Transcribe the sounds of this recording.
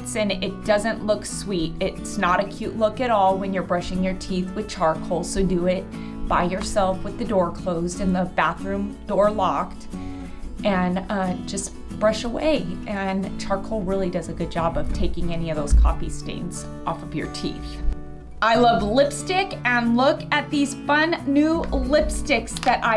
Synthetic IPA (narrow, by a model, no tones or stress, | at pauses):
tsɨ̃nɪt̚d̥ʌzɨ̃nʔlʊkswiɾɪtsnəɾɨkʰj̥ʉʔlʊkɨɾɔlˠwɨ̃njə˞bɹʌʃɪ̃ŋjə˞tʰiθwɨð̥t͡ʃʰɑɹkhoʊlˠsoʊdɨɪt̚ | b̥aɪjə˞sɛlˠfwəðɨdɔɹkʰl̥oʊzdɨ̃nðəbæθɹʉ̃mdɔɹlɑk̚t | ʔɨ̃nʌd͡ʒʌs | b̥ɹʌʃəwḛɪʔɨ̃nt͡ʃʰɑɹkhoʊlˠɹɪlˠidʌzɨɡʊd̚d͡ʒɑbʌv̥tʰeɪkɪ̃ŋɛniʌvðoʊz̥kʰɑ̰pistḛ̃ɪ̃nz̥ | ʔɔfʌvjə̰˞tʰḭθ | ʔaɪlʌvlɪpstɪkɨ̃nlʊkɨt̪̚ðiz̥fʌ̃nːʉlɪpstɪksðɨɾʔa̰ɪ